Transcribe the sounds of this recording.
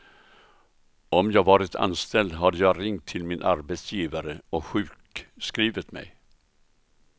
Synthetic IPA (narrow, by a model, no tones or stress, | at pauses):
ɔmjɑːɡvɑːɾɪt̪ʰa̰nst̪ɛld̪ɦad̪əjɑːɡɾɪŋt̪ʰːɪlmɪnʔa̰ɾbɛt̪sjiːvaɾəɔɧʉ̟ːkskɾiːvət̪mɛ̰j